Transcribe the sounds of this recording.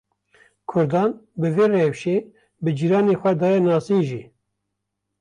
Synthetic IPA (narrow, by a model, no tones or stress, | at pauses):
kʰʊɾd̪ɑːnbɨveːrewʃeː | bɨd͡ʒiːɾɑːnexʷɛd̪ɑːjɛnɑːsiːʒiː